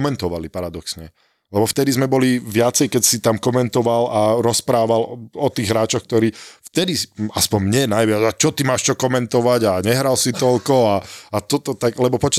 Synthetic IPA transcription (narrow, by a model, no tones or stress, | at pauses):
mɛnt̪ɔʋalipaɾad̪ɔksɲɛ | lɛbɔft̪ɛd̪izmɛbɔliʋɪat͡sɛjkɛcsit̪amkɔmɛnt̪ɔʋalaɾɔspɾaːʋalɔt̪iːɣɦɾaːt͡ʃɔxk̚t̪ɔɾiːft̪ɛd̪iaspɔɲmɲɛnajʋɪad͡zat͡ʃɔt̪imaːʃt͡ʃɔkɔmɛnt̪ɔʋaɟaɲɛɦɾalsit̪ɔlkɔaat̪ɔt̪ɔt̪aɡlɛbɔpɔt͡ʃ